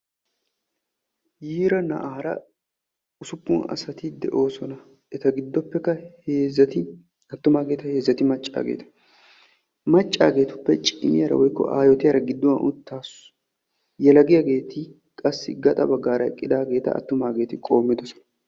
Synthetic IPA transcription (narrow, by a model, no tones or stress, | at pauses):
jiːɾɐnɐ̰ʔaːɾɐ̰ | ʊsʊpːʊnɐ̰sɐt̪ɪd̪ɛ̰ʔo̞ːsɔnɐ | ɛt̪ɐɡɪd̪ːɔpːɛkːɐeːzɐt̪ | ɐt̪ːʊmaːɡe̞ːt̪ɐhe̞ːzːɐt̪ɪmɐt͡ʃʼːa̰ːɡḛːt̪ɐ̥ | mɐt͡ʃʼːa̰ːɡe̞ːt̪ʊpːɛt͡ʃʼɪmɪjɐɾɐ̰wɔjkːɔ̰ʔa̰ːjɔt̪ɪjɐɾɐɡɪd̪ːɔwɐnʔʊt̪ːaːsʊ̥ | jɛlɐɡɪjɐɡe̞ːt̪ɪ | kʼɐsːɪɡɐt̪ʼɐ̰bɐɡːaːɾɐɛkʼːɪd̪aːɡe̞ːt̪ɐ̰ːt̪ːʊmaːɡe̞ːt̪ɪkʼo̞ːmːɪd̪ɔsɔ̥nɐ